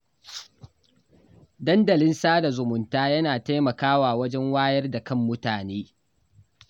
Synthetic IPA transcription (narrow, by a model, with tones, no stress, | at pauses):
dɐ˦ndɐ˨lɪ˦nsaː˦da˨zʊ˨mʊ˨ntaː˦jɐ˦naː˨ta˦jmɐ˨kaː˦waː˨wɐ˦d͡ʒɛ˦ŋwaː˦jɐ˦rda˨kɐ˦˨mːʊ˦taː˨neː˦